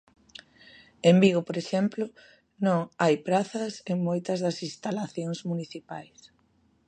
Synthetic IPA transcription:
embiɣ̞ʊpoɾeʃɛmplʊ | nõŋajpɾaθɐseŋmojt̪ɐzðɐsinst̪alaθjoŋsmuniθipajs

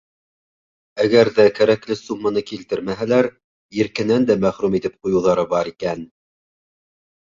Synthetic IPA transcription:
æɡæɾðækæɾæklɘsumːɤnɤkilt̪ɘɾmæɦælæɾ | jɘ̆ɾkɘ̆nænd̪æmæχɾumit̪ɘp̚qujɤ̆wðɑɾɤbɑɾikæn

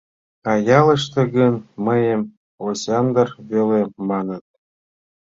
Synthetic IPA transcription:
ɑjɑlˠɤ̆ʃt̪ɤ̆ɡɤ̆nmɤ̆jĕm | osʲɑnd̪ɤ̆rβʲelemɑnɤ̆t̪̚

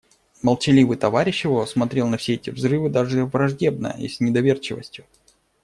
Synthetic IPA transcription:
mɐlˠt͡ɕɪlʲivɨt̪ɐvaɾʲɪɕːɪvosmɐt̪ɾʲe̞lˠnɐfsʲe̞ɛtʲɪvzrɨvɨd̪aʐɨvɾɐʐdʲe̞bnə̰jə̰ḭsʲnʲɪd̪ɐvʲe̞rt͡ɕɪvə̰sʲtʲjʊ

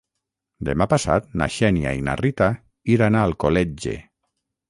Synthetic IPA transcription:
d̪emapasa̰t̪̚na̰ʃɛnja̰ina̰rit̪a | iɾanaːlˠkolɛd͡ʒḛ

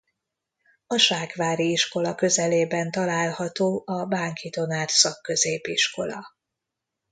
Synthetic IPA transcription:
ɒʃaːkʋaːɾiiʃko̞lɒkø̞zɛleːbɛnt̪ɒlaːlhɒt̪oːʔɒbaːŋkit̪o̞naːt̪sɒkːø̞zeːpiʃko̞lɒ̰

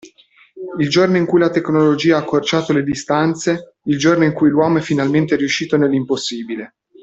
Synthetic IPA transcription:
ild͡ʒornoiŋkujlat̪eknolod͡ʒiːaakʰːort͡ʃaːt̪oled̪ist̪ant̪se | ild͡ʒornoiŋkujlwɔːmoɛfinalment̪eɾiuʃːiːt̪onelːimposːiːbile

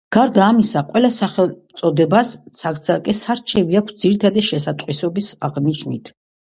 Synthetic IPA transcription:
ɡ̥aɾd̪aːmisaqʼwɛlasaχɛlt̪sʼɔd̪ɛbassʰakd̪zakʼɛsaɾt͡ʃʰɛviakʷʰsd̪ziɾit̪ʰad̪ɛʃɛsat̪ʼqʼwisɔbisa̰ʁniʃnit̪ʰ

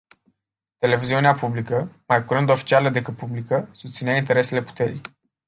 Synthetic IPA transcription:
t̪e̞le̞viziuneapublikəmajkuɾɨnd̪o̞fi̥t͡ʃialəd̪e̞kɨt̪̚publikəsust̪sineaint̪e̞ɾe̞se̞le̞pu̥t̪e̞ɾḭj

